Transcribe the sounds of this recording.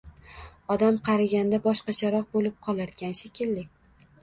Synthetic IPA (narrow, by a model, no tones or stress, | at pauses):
ɒd̪amqʰɑɾaɡʲand̪abɒʃqɑt͡ʃʰaɾɒq̚bolɪp̚qʰɒlˠaɾɡʲanʃekʲʰɪlːɪ